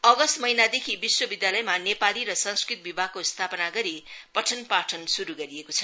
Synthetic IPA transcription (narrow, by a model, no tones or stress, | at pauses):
ʌɡʌst̪mʌɦinad̪ekʰibiswʌbid̪jalʌjmanepaliɾʌsʌ̃nskrit̪̚bibʱaɡ̚kost̪ʰapʌnaɡʌɾipʌʈʰʌnpaʈʰʌnsuɾuɡʌɾiekot͡sʰʌ̥